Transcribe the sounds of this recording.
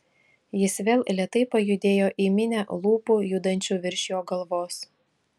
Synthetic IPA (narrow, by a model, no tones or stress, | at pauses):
jɪsʋʲeːlˠlʲiɛt̪ɐɪpɐjʊd̪ʲeːjoːʔiːmʲɪnʲælˠuːpuːjud̪ɐnʲt͡ʃʲuːʋʲɪɾʲʃʲjoːɡɐlˠʋoːs